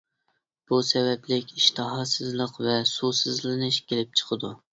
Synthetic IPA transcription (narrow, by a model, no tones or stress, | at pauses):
b̥usɛvɛplɪkʲiʃt̪ʰɨɦɑsɨzlˠəqvɛsusɨzlɨnɨʃkʲʰelɪp̚t͡ʃʰə̥qʰəd̪u